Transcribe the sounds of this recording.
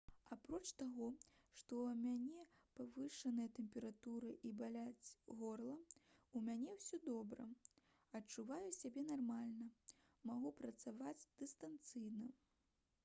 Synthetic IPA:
apɾɔt͡ʂt̪aɣɔʂt̪ɔmʲanʲɛpavɨʂɐnɐjɐt̪ɛmʲpʲɛɾat̪uɾɨʔibalʲad͡zʲɣɔrlˠɐumʲanʲɛwsʲɔd̪ɔbɾɐ̰ | ɐt͡ʂːuvajusʲabʲɛnarmalʲnɐ | maɣupɾɐt̪savad͡zʲd̪̥ɨst̪ant̪sɨjnɐ

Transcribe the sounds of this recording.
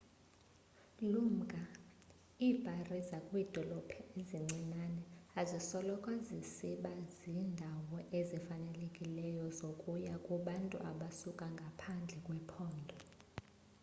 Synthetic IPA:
lum̩kʼa | iːb̥ʱarizakʼwiːd̥ʱɔlɔpʰɛeziŋ͡ǀʱinanɛazisɔlɔkʼwazisiɓaziːndʱawɔʔezifanɛlekʼilɛjɔzokʼujakʼuɓantʼṵʔaɓasukʼaŋɡʱapʰand͡ɮʱɛkʼwɛpʰɔːndʱɔ

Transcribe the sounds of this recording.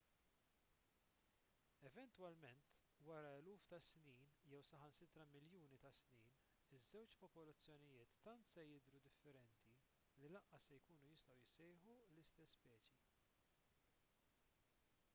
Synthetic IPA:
ɛvɛnt̪wɐlmɛnt̪ | wɐɾɐɛluːft̪ɐsniːnjɛwsɐħɐnsɪt̪ɾɐmɪljuːnit̪ɐsniːn | ɪzːɛwt͡ʃpɔpɔlɐt͡sːjɔnɪjɪːt̪ːɐnt̪sɛjɪd̪ɾud̪ɪfːɛɾɛnt̪i | lilɐʔːɐsːɛjkuːnujɪst̪ɐwjɪsɛjħulɪst̪ɛsːpɛːt͡ʃi

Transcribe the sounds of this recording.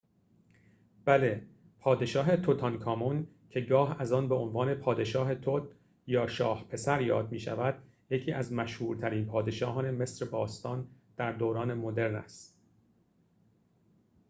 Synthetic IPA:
b̥æle | pʰɒːd̪eʃɒːɦe̞t̪ʰot̪ʰɒnkʰɒːmun | cʰe̞ɡɒːɦæzɒːnbe̞onvɒːne̞pʰɒːd̪e̞ʃɒːɦe̞t̪ʰot̪ | jɒːʃɒːhpʰe̞sæɾjɒ̰ːd̪miːʃæ̰væd̪̥ | jecʰiːʔæzmæʃhuːɾt̪ʰæɾiːnpʰɒːd̪e̞ʃɒːɦɒːne̞me̞sɾebɒːst̪ɒːnd̪̥æɾd̪oːɾɒːne̞mo̞d̪e̞ɾnæ̰st̪

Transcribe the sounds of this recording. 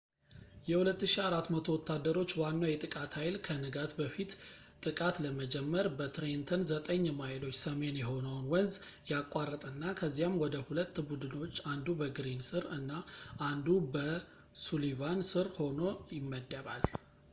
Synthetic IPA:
jɛhulət̪ːɨʃiaɾat̪mət̪ʰo̞wɔt̪ːad̪ːəɾo̞t͡ʃːwanːawjɛt̪ʼɨkʼat̪ʰhajlkʰənɨɡat̪bəfit̪ | t̪ʼɨkʼat̪ləməd͡ʒɛmːəɾbət̪ɾent̪ʰənzət̪ʼəɲːɛmajɪlo̞t͡ʃːsəme̞njɛɦo̞nəwnwənz | jakʼːarːət̪ʼɨnːakʰəzːijamːwɔd̪əhulət̪ːbud̪ɨno̞t͡ʃːand̪ubəɡɨɾinsɨɾɨnːaʔand̪ubə | sulivansɨɾho̞no̞jɪmːəd̪əβa̰l

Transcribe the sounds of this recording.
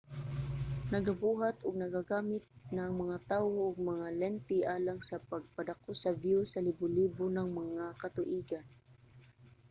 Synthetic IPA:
nɐɡabuːɦat̪ʊɡ̚nɐɡaɡaːmɪt̪̚naŋmɐŋat̪aːwoʊɡ̚mɐŋalɛnt̪iʔaːlaŋsɐpɐɡ̚pad̪akosɐbjusɐlɪbʊliːbʊnɐŋmɐŋakɐt̪ʊʔiːɡan

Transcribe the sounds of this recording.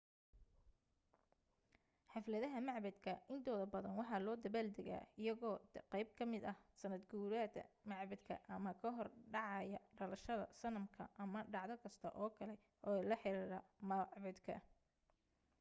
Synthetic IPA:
ħɑflɐðɐɦɐmɑʕbɐd̪kʰɐɪnt̪ʰɔːðɐbɐðɐnwɑħɑːlɔːd̪ɐβaːld̪ɛɣa̰ːɪjɐɣɔːqɛjb̚kʰɐmɪd̪ɐhsɐnɐd̪ɡuːɾaːd̪ɐ̰mɑʕbɐd̪kʰɐ̰ʔɐmɐkʰɐɦɔrɖɑʕɑjɐɖɐlɐʃɐðɐ̰sɐnɐmkʰɐ̰ʔɐmɐɖɑʕðɐkʰɐst̪ʰɐʔɔːkʰɐlɛ | ʔɔːlɐħɪɾiːɾɐmɐʕbɐd̪kʰɐ̰

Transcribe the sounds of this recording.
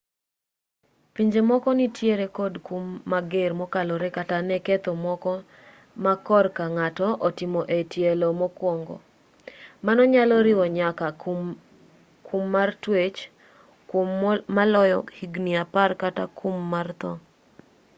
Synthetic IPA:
piɲd͡ʒemɔkɔnitjeɾekodkomːaɡermɔkalɔɾekatanɛket̪omɔkɔ | makɔrkaŋatɔʔɔtɪmɔʔetjelomɔkwɔŋɡɔ̰ | manɔɲalɔɾɪɔɲaka | kʰumːartwet͡ʃ | kommalɔjɔ̰hiɡniaparkatakʰomːart̪ɔ̰

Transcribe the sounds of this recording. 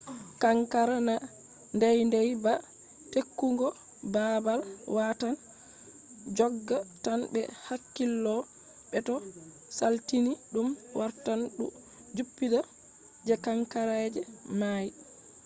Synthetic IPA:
kaŋkaɾana | ndɛjndɛjba | tekːuŋɡɔ | babalwatan | d͡ʒɔɡːatanbɛ̰hakːilːɔ | ɓɛtɔ | saltiniɗumwaɾtanɗu | d͡ʒupːida | d͡ʒɛkaŋkaɾad͡ʒɛmaji

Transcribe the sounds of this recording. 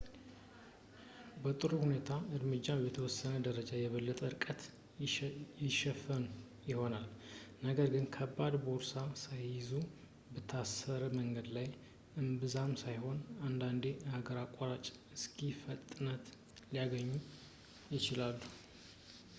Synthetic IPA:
bət̪ʼɨɾuhune̞t̪ʰaɨɾmɨd͡ʒːajɛt̪ʰəwɔsːənəd̪əɾəd͡ʒajɛβəlːət̪ʼəɨɾɨkʼət̪ | jɪʃɛfənu | jɪho̞nalnəɡəɾɡɨnkʰəbːad̪boɾsasajɪzu | bət̪ʰːasəɾəməŋɡəd̪laj | ɨmbɨzamsajho̞nand̪and̪e̞haɡəɾakʼːaɾat͡ʃʼɨskʰifət̪ʼːɨnət̪ | lijaɡəɲːu | jɪt͡ʃɪlalːu

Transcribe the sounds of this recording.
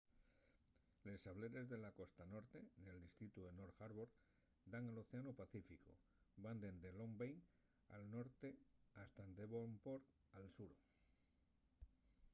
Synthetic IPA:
le̞saβle̞ɾe̞zðe̞lako̞st̪ano̞ɾt̪e̞neld̪ist̪ɾit̪uenoɾxaɾβoɾ | d̪aŋalo̞θeanopaθifiko̰ | band̪e̞nd̪elo̞mbejŋ | a̰lno̞ɾt̪e̞ast̪aend̪e̞βompo̞ɾ | alsuɾo

